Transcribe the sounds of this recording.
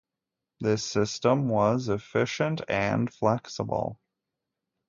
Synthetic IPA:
ðɪsɪstə̃mwʌzɨfɪʃɨ̃ntʰɨ̃nflɛksə̰bl̩ˠ

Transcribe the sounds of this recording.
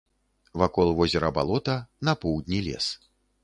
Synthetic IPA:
vakɔlˠvɔzʲɛɾɐba̰lˠɔt̪ɐnɐpɔwd̪ʲnʲilʲɛ̰s

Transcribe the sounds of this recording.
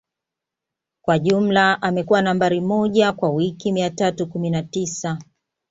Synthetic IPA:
kwaʄum̩laʔamɛkuwanambaɾimɔʄakwawikimiatatukuminatisa

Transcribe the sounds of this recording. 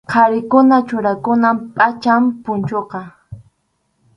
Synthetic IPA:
qʰɑɾɪkʊnat͡ʃʊɾakʊnampʼat͡ʃampʊnt͡ʃoqɑ

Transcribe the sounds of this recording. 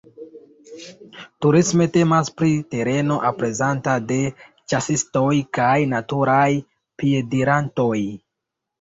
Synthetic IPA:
tuɾisme̞te̞maspɾite̞ɾe̞no̞ʔapɾe̞zantade̞ | t͡ʃasisto̞jkajnatuɾaj | pie̞diɾanto̞j

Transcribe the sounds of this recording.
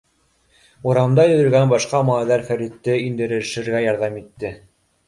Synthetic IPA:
uɾɑ̆nd̪ɑjɵ̆ðɵ̆lɡænbɑʃqɑmɑæðæɾfæɾit̪ːɘind̪ɘ̆ɾɘ̆ʃɘ̆ɾɡæjɑɾðɑmit̪ːɘ

